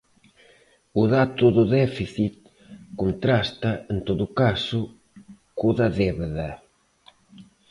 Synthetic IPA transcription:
uðat̪uðʊðɛfiθit̪̚ | kunt̪ɾast̪aent̪oðukasʊ | kuðaðɛβeða

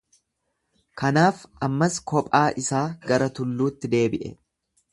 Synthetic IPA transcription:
kɐnaːfɐmːɐskɔpʼaːʔɪsaːɡɐɾɐt̪ʊlːuːt̪ːɪd̪e̞ːbɪʔɛ̰

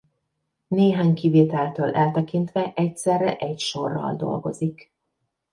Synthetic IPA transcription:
neːɦaːɲkiveːt̪ɛlt̪øːlʔɛlt̪ɛkint̪ʋɛʔɛcsɛrːɛ̰ʔɛcʃo̞rːɒ̰ld̪o̞̰lɡo̞̰zik

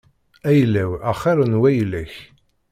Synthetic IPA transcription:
æjlːæwæχɑɾˤənwæjlæç

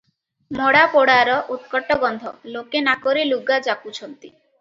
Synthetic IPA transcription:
mɔɽapɔɽaɾɔʔut̪̚kɔʈɔɡɔnd̪ʱɔ̰lokenakoɾiluɡad͡ʒakut͡ʃʰɔnt̪i

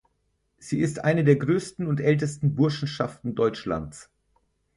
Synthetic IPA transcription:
z̥iːɪstʔa̰ɪnədeːɐɡʁøːstn̩ʊntʔɛltəstn̩bʊɐʃn̩ʃaftn̩dɔʏt͡ʃla̰nt͡s

